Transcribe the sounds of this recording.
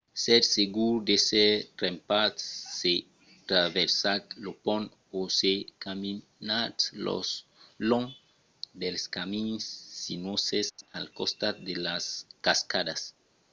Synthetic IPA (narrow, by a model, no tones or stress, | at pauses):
seɾseɡuɾd̪eserempat̪se | t̪ɾaβeɾsaɾlopon | osekami | naɾlo̰sloŋ | d̪elskaminsːinwosesa̰lkost̪ad̪elaskaskad̪as